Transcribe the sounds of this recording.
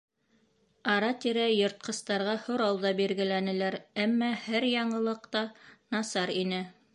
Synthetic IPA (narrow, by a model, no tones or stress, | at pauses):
ɑɾɑt̪iɾæjŏɾt̪̚qɤ̆st̪ɑɾʁɑhŏɾɑwðɑbiɾɡɘ̆lænɘ̆læɾæmːæhæɾjɑɴɤ̆lˠɤqt̪ɑnɑsɑɾinɘ